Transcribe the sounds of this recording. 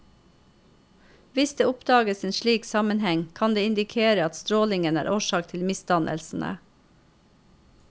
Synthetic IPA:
ʋɪsd̪eːʊpd̪ɑːɡəseːnʃɭiːksɑmənhɛŋkʰɑnd̪eːɪnd̪ɪkʰeːɾəɑt̪st̪ɾoːlɪŋənæ̰ːɾʔoːʃɑːk̚t̪ʰɪlmɪst̪ɑnʔə̰lsn̩ʔə̰

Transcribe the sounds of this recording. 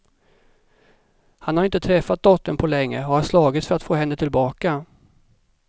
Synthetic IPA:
hanhaɾɪnt̪ət̪ʰɾɛfːat̪̚d̪ɔt̪ːəɳpʰɔlɛŋːə̰ɔhaɾʂlɑːɡɪt̪sfœɾat̪foːhɛnːət̪ʰɪlbɑːka

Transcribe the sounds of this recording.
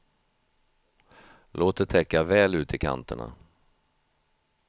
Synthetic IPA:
loːt̪d̪ɛt̪ʰɛkːavɛːlʉ̟ːt̪ɪkʰa̰nt̪əɳa̰

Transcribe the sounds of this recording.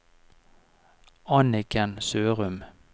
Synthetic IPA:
ɑnɪkʰənsøːʁʉm

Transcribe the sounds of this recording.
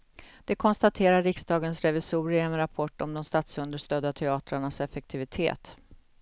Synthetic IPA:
d̪̥ɛkʰɔnst̪at̪ʰeːɾaɾɪksd̪ɑːɡənsɾɛvɪsuːɾɪɛnɾapʰɔʈːɔmd̪ɔmst̪at̪sɵnd̪əʂt̪œːd̪at̪ʰɛɑːt̪ɾaɳasɛfɛk̚t̪ʰɪvɪt̪ʰḛːt̪

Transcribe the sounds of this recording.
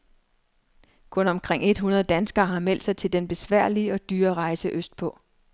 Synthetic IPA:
kʰɔ̽nɒ̽mkʰʁeŋ̰e̝d̥ɦunɐð̞ˠd̥ænsɡ̥ɐːɦɑ̈mel̰d̥sɑ̈ɪt͡sʰe̝ld̥enb̥e̝sʋæɐ̰liɒ̽d̥yːɐʁɑ̈ɪsəʔøsd̥pʰɒ̽

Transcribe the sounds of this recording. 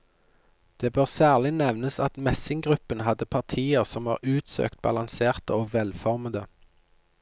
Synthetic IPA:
d̪̥eːbøːʁsæːʁlɪnɛʋnəsɑt̪mɛsɪŋɡʁʉpənɦɑd̪əpʰɑʁt̪ʰiːəʁsɔmɑ̰ːʁʉːt̪sø̰ːkt̪̚bɑ̰lɑŋseːʁt̪əoːʋɛlfɔʁməd̪ə

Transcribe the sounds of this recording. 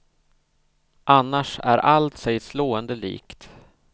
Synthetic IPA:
ʔanːaʂæ̰ɾʔalt̪sɛjsloːənd̪əlḭːkt̪

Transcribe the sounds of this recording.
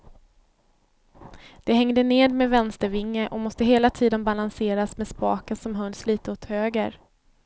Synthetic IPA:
d̪̥ɛɦɛŋd̪əneːd̪mɛvɛnst̪əɾvɪŋːəʔɔmɔst̪əɦeːlat̪ʰiːd̪ənbalanseːɾasmɛspɑːkənsɔmɦɵnːsliːt̪əɔt̪høːɡəɾ

